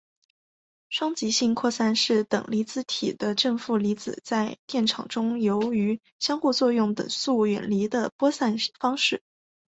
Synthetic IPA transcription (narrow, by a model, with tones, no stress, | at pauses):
ʂwɑ˥ŋt͡ɕi˧˥ɕi˥˧ŋkʰwɔ˥˧sa˥˧nʂɻ̩˥˩t̪ɤ̰˨˩ŋli˧˥t͡sɹ̩˧˥t̪ʰḭ˨˩d̪ə˦ʈ͡ʂɤ˥˧ŋfu˥˩li˧˥t͡sɹ̩˨˩t͡sa˥˧ɪt̪jɛ˥˩nʈ͡ʂʰɑ̰˨˩ŋʈ͡ʂʊ˥ŋjo˧˥ʊy˧˥ | ɕjɑ˥ŋxu˥˧t͡swɔ˥˧jʊ˥˩ŋt̪ɤ̰˨˩ŋsu˥˩ɥɛ̰˨˩nli˧˥d̪ə˧pwɔ˥sa˥˩nfɑ˥ŋʂɻ̩˥˩